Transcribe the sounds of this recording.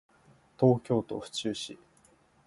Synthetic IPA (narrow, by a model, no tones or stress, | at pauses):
t̪o̞ːkʲo̞ːt̪o̞̰ɸɯ̟̥t͡ɕɨːɕi